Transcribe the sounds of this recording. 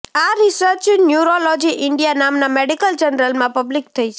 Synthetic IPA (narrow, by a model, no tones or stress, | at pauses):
aɾisəɾt͡ʃnjuɾolɔd͡ʒiʔɪɳɖijanamnameɽikəld͡ʒənɾəlmãpəblik̚t̪ʰəit͡ʃʰe